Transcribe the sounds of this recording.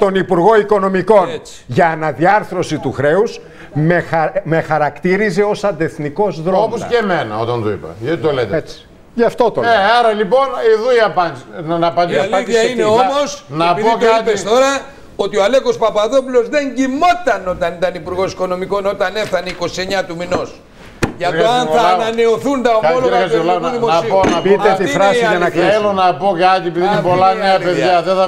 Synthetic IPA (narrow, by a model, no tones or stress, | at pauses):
t̪o̞nipuɾɣo̞iko̞no̞miko̞net͡s | ʝɐːnɐðiɐɾθɾo̞sit̪uxɾe̞us | meme̞xɐɾɐkt̪iɾize̞o̞sɐnd̪e̞θniko̞zðɾo̞oposkemenɐ̰ot̪ɐnt̪oḭpɐ̰ʝɐt̪it̪olet̪et͡si̥ | ʝɐft̪o̞t̪oeɐɾɐlipo̞niðuiɐpɐɐnɐpɐd̪ilɐid̪iɐsineomosnɐpiðpok̪tpesst̪o̞ɾɐ | o̞t̪ioɐle̞ko̞spɐpɐðo̞pulo̞zðe̞ɲɟimo̞t̪ɐno̞t̪ɐnit̪ɐnipuɾɣo̞si̥ko̞no̞miko̞no̞t̪ɐne̞fθɐneiko̞sie̞ɲɐt̪umino̞s | ʝɐt̪oɐnθɐnɐne̞oθund̪ɐomoloiɾɐsolɐnuðiimonɐsiponɐpiet̪iifɾɐsɐnɐkielonɐpokɐt̪iepiðiinepolɐneɐpeðʝɐðeθɐ